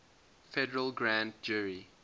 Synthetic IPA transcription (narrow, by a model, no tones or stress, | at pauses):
fɛdəɹəlˠɡɹãntd͡ʒuɹi